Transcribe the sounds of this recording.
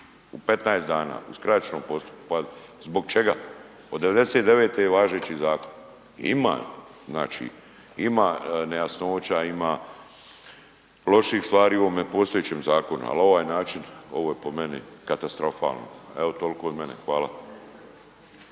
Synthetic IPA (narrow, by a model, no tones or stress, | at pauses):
upe̞t̪najesd̪aːna̰ːuskɾajt͡ʃnoːmpo̞st̪u̥pkupazbo̞ɡt͡ʃeɡa̰ | od̪ːe̞ʋe̞d̪eset̪d̪e̞ʋeːt̪ejeʋaːʒeːt͡ɕizaːko̞n | ḭma̰ː | zna̰ːt͡ʃḭ | imanejasno̞ːt͡ɕaimaː | lo̞ʃixst̪ʋaːɾiːuoːmepo̞ːst̪ojet͡ɕeːmzaːko̞nṵa̰lo̞ʋaːjnaːt͡ʃino̞̰ʋojepo̞menḭkat̪ast̪ɾo̞fa̰ːlno̰eo̞t̪o̞lkoːod̪menexʋaːlˠa